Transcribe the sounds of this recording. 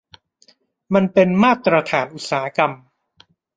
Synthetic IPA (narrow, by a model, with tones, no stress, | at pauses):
ma˧npe˧nmaː˥˩t̪ɾa˧t̪ʰaː˩˦nʔu˨˩t̪̚saː˩˦a˦˧ka˧m